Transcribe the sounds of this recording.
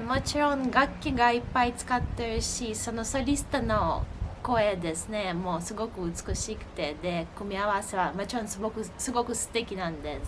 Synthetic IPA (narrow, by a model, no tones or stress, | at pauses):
mo̞t͡ɕiɾõ̞ŋɡakʲːiɡaipːait͡sɨ̥kat̪ːe̞ɾɯ̟ɕiso̞no̞soɾʲisɨ̥t̪ono̞ko̞e̞d̪e̞sɨne̞mo̞ːsɨɡo̞kɯ̟ɯt͡sɨ̥kɯ̟ɕikɯ̟̥t̪e̞d̪e̞kɯ̟mʲiaβase̞βamo̞t͡ɕiɾõ̞sɡokɯ̟sɨɡo̞kɯ̟sɨ̥t̪e̞kʲinãnd̪e̞